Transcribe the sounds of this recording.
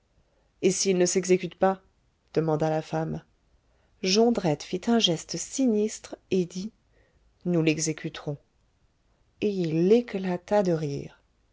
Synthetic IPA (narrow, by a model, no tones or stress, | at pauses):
esilnəsɛɡzekʲyt̪pa | d̪̥əmɑ̃d̪alafam | ʒɔ̃d̪ʁɛt̪fit̪ɛ̃ʒɛst̪sinist̪χed̪i | nulɛɡzekʲʰyt̪χɔ̃ | eilːeklat̪ad̪əʁiːʁ